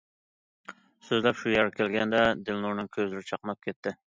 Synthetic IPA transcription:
søzlɛpʃujɛɾkʲʰelɡʲɛnd̪ɛd̪ɪlnuɾnɪŋkʲʰøzlɪɾɪt͡ʃʰɑqmˠɑp̚kʲʰet̪ʰːɪ

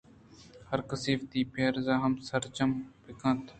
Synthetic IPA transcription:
hɐɾkəsiːft̪iːpeːɾzaːɦɐmsɐɾt͡ʃɐmpɪkãːt̪

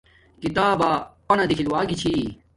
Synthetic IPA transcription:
kit̪aːbaːpɐnɐd̪ikʰilwaːɡit͡ɕʰi

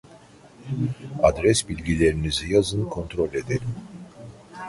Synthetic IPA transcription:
ad̪ɾɛsbilʲɟʲilʲeɾinizijazɯnkʰo̞nt̪ɾo̞lʲed̪eɾ

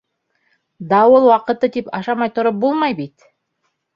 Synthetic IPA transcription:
d̪ɑwolˠwɑqɤ̆t̪ɤt̪ipɑʃɑmɑjt̪ŏɾop̚bulˠmɑjbit̪

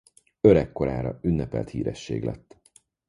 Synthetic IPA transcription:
øɾɛkːo̞ɾaːɾɒynːɛpɛlt̪hiːɾɛʃːeːɡlʔɛt̪ː

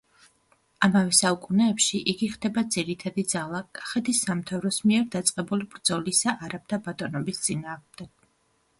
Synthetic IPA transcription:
amavɛsaukʼunɛːpʃiʔiɡiχd̪ɛbad̪ziɾit̪ʰad̪id̪zalˠakʼḁχɛt̪d̪ʰisːamt̪ʰavɾɔsmiɛɾd̪at̪sʼqʼɛbulibɾd̪z̥ɔlisaʔaɾab̚d̪abat̪ʼɔnɔbist̪sʼinaːʁmd̪ɛɡ̥

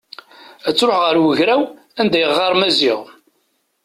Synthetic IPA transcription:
æt͡sːɾoħʁəɾwəʝɾæw | ænd̪æjəʁɑɾˤmæziʁ

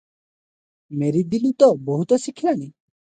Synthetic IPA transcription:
meɾid̪ilut̪ɔbɔɦut̪ɔsikʰilani

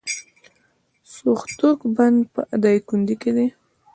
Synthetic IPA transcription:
soxt̪ukband̪pəʔad̪ajkund̪iked̪e

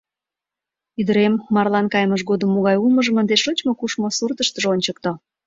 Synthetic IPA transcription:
yd̪əɾemːɑrlɑnkɑjməʃ̬ɣod̪əmːoɣɑjulməʒə̆mənd̪eʃot͡ɕmokuʃmosurt̪əʃt̪əʒonʲt͡ɕək̚t̪o

